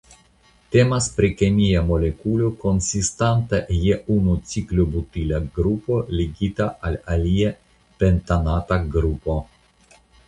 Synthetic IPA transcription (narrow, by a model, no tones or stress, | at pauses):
te̞maspɾikemiamo̞le̞kulo̞ko̞nsistantajeunut͡siklobutilaɡɾupo̞liɡitaʔalalie | pe̞ntanataɡɾupo̞